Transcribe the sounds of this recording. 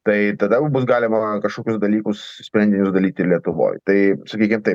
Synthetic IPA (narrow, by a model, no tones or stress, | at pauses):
t̪ɐɪt̪ɐd̪ɐbʊsɡɑːlʲɪmɐkɐʃkoːkʲʊsd̪ɐlʲiːkʊssʲpʲɾʲɛnd̪ʲɪnʲʊsd̪ɐlʲiːt̪ʲɪlʲiɛt̪ʊʋo̰ːjt̪ɐɪsɐkʲiːkʲɪmt̪ɐɪ